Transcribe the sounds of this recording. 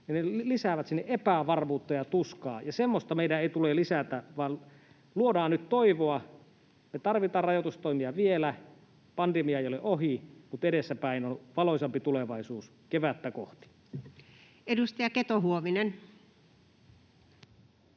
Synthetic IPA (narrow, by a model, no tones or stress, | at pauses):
ninelisæʋæt̪sinːeʔepæʋɑrmuːt̪ːɑjɑt̪uskɑ̰ːjɑsemːost̪ɑmeidæeˑit̪ulelisæt̪æʋɑːn | luodɑːnnyt̪t̪oiʋoɑ | met̪ɑrʋit̪ɑːrɑjot̪ust̪oimiɑʋielæ | pɑndemiɑeˑjoleʔoɦimut̪edesːæpæˑinonʋɑlosɑmpit̪uleʋɑisuːs | keʋæt̪ːæko̰ht̪i̥ | edust̪ɑjɑket̪oɦuoʋinen